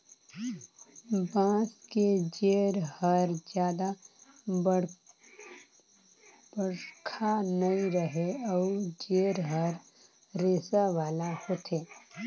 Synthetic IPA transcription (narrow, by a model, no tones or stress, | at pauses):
bãːsked͡ʒeːɾhəɾd͡ʒjaːd̪a | b̥əɽkʰanəiɾəɦeɔːd͡ʒeːɾɦəɾ | ɾeːsaʋaːlahoːt̪ʰeː